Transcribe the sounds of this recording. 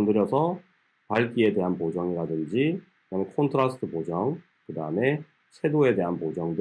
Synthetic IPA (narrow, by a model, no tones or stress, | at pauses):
ndɯɾjʌsʰʌ | paɭk͈ie̞de̞ɦanpod͡ʑʌŋiɾadɯnd͡ʑikɯdamekʰʌntʰɯɾasʰɯ̥tʰɯpod͡ʑʌŋ | kɯdaɯme̞ | t͡ɕʰe̞doe̞de̞ɦanpod͡ʑʌŋdɯ